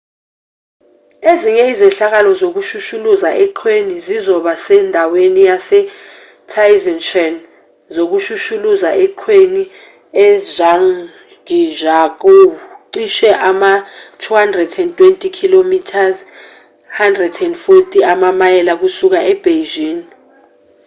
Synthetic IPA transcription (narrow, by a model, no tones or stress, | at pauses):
eziŋɛizɛɬak̬alɔzok̬uʃuʃuluzaʔɛǃʰwenizizɔɓasɛndʱawenijasɛ | tʰajzɛnʃɔn | zok̬uʃuʃuluzaʔɛǃʰweni | ɛzaŋ | ɡiʒak̬oǀiʃɛʔamatʰuhandrɛdɛntʼwentʼikʰilomitʰaz | handrɛdɛndfotʼiamamajɛlak̬usuk̬aʔɛb̥ʱeʒiːn